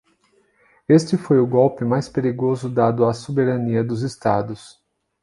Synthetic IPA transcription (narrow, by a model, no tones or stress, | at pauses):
est͡ʃɪfojʊɡɔwpɪmajspeɾiɡozʊd̪ad̪ʊasobeɾɐniɐd̪ʊzɪst̪ad̪ʊs